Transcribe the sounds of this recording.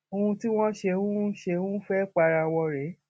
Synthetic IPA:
o˧ũ˧ti˦w̃ɔ̃˦ʃe˧hũ˦ʃe˧hũ˦fɛ˦k͡pa˧ɾa˧wɔ˧ɾɛ˨˦

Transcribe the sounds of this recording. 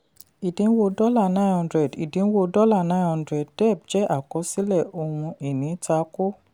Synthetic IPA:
i˨dĩ˨˦n̩˦wo˧dɔ˦la˦˨nã˦˨hɔ̃˧ndɾɛ˨di˨dĩ˨˦wo˧dɔ˦la˦˨nã˦˨hɔ̃˧ndɾɛ˨d̚dɛ˦˨b̚d͡ʒɛ˦ʔa˦˨kɔ˨˦si˦lɛ˦˨o˧hũ˧e˨nĩ˨˦ta˧˦ko˦

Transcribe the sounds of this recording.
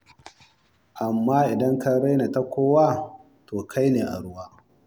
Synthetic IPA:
ʔa˨mːaː˦ʔɪ˨dɐ˦ŋka˦ɽa˦jna˨ta˦kʷoː˦waː˦˨ | toː˨kʰa˦jneː˨ʔa̰˨ɽʊ˦waː˦

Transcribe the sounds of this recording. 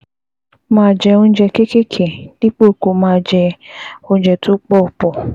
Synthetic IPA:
mãː˦˨d͡ʒɛ˧o˦n̩˦d͡ʒɛ˧ke˦ke˦kʰe˨d̥i˦k͡po˦˨ko˨mãː˦˨d͡ʒɛ˧o˦n̩˦d͡ʒɛ˨tʊ˦k͡pɔ˦˨pɔ˨

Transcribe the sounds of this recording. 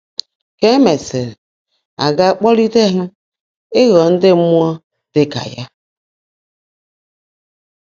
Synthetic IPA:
ke˦me˨se˨ɾ | a̰˨ɡa˦˨k͡pɔ˦li˦te˦ɦʊ˦ | e˦ɣɔ˨n̩˦dɪ˦mu˦ɔ˦ | d̥ɪ˦ka̰˨ja˦

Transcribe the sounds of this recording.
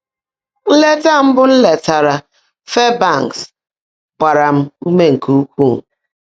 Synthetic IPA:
n̩˦le˦ta˦m̩˦bʊ˦n̩˦le˨ta˨ɾa˨ | fe˦ba˦˨ŋks | kʷa˨ɾa˨m̩˦u˦me˦ŋ̩˨kʰu˦u˦kʷu˦˨

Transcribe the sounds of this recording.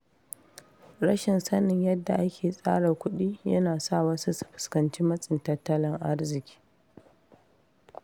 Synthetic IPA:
ɽɐ˦ʃɪ˨nsɐ˦nɪ˨ɲjɐ˦dːa˨ʔa˦kʲʰeː˨sʼa̰ː˦ɽa˨kʷʊ˦ɗiː˦jɐ̰˦naː˨sa˦˨wɐ˦su˦su̥˨ɸɪ̥˨skɐ˨nt͡ʃiː˦mɐ˦sʼɪ˨ntɐ˦tːɐ˦lɪ˦ŋʔa˦rzɪ˨kʲi̥ː˦

